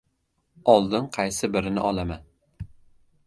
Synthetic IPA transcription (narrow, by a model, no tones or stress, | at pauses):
ɒlˠd̪ɪnqʰɑjsɪbɪɾɪnɪ̰ʔɒlˠaman